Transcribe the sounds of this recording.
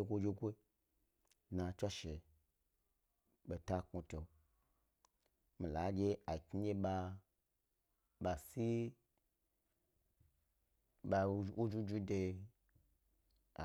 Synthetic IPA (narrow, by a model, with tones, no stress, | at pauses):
e˧kʷo˦˧d͡ʒe˧kʷo˦i˦ | dna˨t͡ʃʷa˦ʃe˨ | ɓe˨ta˦ku˧to˨ | mi˨la˨˦d͡ʒʲe˧a˨kʲi˦ɲe˦ɓa˧ | ɓa˨si˦ | ba˧u˦d͡ʒu˦d͡ʒu˦de˧ | a̰˨